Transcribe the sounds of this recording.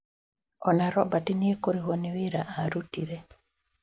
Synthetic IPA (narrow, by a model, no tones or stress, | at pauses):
ɔnaɾɔbatiniekoɾiwoniwiɾaʔaɾutiɾe